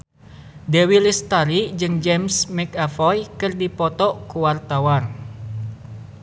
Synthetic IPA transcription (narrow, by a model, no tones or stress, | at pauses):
dewilist̪aɾid͡ʒɨŋd͡ʒɛmsmɛkafɔjkɨrdipɔt̪ɔʔkuwart̪awar